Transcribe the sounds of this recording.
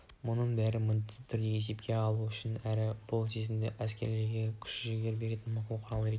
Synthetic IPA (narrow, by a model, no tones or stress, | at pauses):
mʊnəɴbæɾɪmʏnt̪ɪt̪ʰʏɾd̪e̞je̞se̞pkʲe̞ɑlˠuʏʃɪnæɾɪb̥ʊlˠse̞zɪmd̪ɪʔæskʲe̞ɾle̞ɾɡʲekʲʰʏ̥ʃɪʒeɡʲe̞ɾbe̞ɾe̞t̪ɪnmɑqʰʊlˠəqʰʊɾɑlˠəɾet̪